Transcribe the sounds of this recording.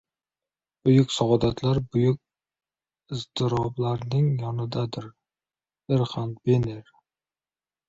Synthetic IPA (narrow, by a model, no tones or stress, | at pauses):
b̥ʊjʊkʲsɒʁɒd̪at̪laɾbʊjʊk̚ʲ | ɪzt̪ɪɾɒblaɾnɪŋjɒnɪd̪ad̪ɪɾ | ɪɾχand̪beneɾ